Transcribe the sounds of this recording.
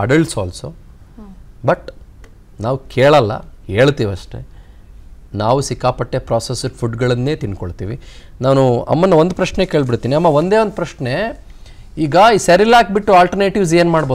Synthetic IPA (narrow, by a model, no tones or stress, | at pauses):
ɐɖɐɭʈsoɐlso | bɐʈ | naːʋkʰeːɭɐlːɐ̰e̞ːɭt̪iːʋiɐʂʈe̞̰ | naːʋusikːaːpɐʈːepɾaːsesupʰuɖɡɐɭɐnːe̞ːt̪inːkoɭt̪ḭːʋi | naːnuɐ̰mːɐnːɐʋond̪upɾɐʃɳeke̞ːɭbiɽt̪iːniɐmːɐʋond̪eːʋond̪upɾɐʃne̞ | iːɡɐisɐɾilaːk̚biʈːuaːlʈɐɾneːʈiʋs̬eːnmaːɽboː